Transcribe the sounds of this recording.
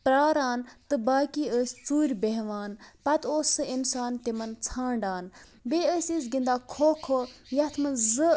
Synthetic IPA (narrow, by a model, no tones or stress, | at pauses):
pɾaːɾaːnt̪ɨbaːkiːəːsʲt͡suːɾʲbeɦʋaːnpɐt̪ʰoːsːɨinsaːnt̪imɐnt͡sʰãːɳɖaːn | beːəːsʲis̬ɡind̪aːkʰoːkʰojɐt̪ʰmɨnzɨ